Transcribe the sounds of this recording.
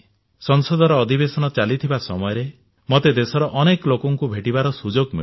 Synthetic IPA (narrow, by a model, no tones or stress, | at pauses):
sɔŋsɔd̪ʱɔɾɔːd̪ʱibesɔnɔt͡ʃalit̪ʰibasɔmɔjɔɾe | mɔt̪ed̪esɔɾɔʔɔneklokɔŋkubʱeʈibaɾɔsud͡ʒoɡmḭ